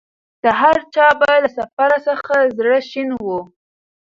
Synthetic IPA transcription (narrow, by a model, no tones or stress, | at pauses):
d̪̥əɦaɾt͡ʃɑbalasafaɾasəxazɽəʃinwu